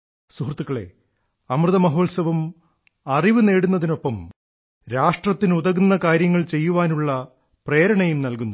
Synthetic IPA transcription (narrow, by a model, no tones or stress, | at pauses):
suhrt̪ːukːɐɭe̞̰ | ɐmrɨðɐmɐɦo̞ːlsɐʋum | ɐriʋɨne̞ːɽunːɐðino̞pːɐm | ɾaːʂʈrɐt̪ːinuðɐɣunːɐkaːɾjɐŋːɐɭt͡ɕe̞jːuʋaːnuɭːɐ | pre̞ːɾɐɳɐjumnɐlkunːu